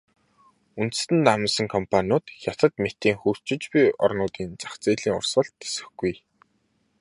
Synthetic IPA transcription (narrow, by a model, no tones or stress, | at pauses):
un̥t̪̆st̪ɘ̆nt̪amə̆nsə̆ŋkʰɔmpʰanʲʊːt̪xʲjat̪ə̆t̪met̪iːŋxur̥t͡ɕɪ̆t͡ɕpʲiɔrnʊːt̪iːnt͡sḁχt͡siːɮiːŋʊ̰rsə̆ɬt̪ːe̥sɘ̆xɡ̥uj